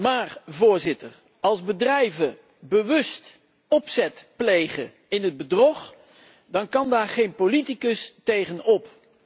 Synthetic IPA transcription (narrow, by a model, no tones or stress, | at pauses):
maːrvʊːɹzɪtəɹ | ɑlˠzbədrɛjvə | bəʋɵst | ɔpsɛtplejχə̰ | ɪnɦəd̚bədrɔχ | dɑnkɑndaːɹχejnpolitikəstejχənɔp